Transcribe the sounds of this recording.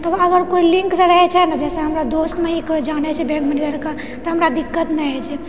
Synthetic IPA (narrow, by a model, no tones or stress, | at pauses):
t̪ɔbəɡəɾkoilĩŋksəɾəɦɛt͡ʃʰɛnəd͡ʒɛsẽɦəmɾad̪ost̪meɦikd͡ʒañɛt͡ʃʰɛbɛ̃ɡməneəɾka | t̪ɔɦəmɾad̪ikːət̪nɛɛt͡ʃʰɛ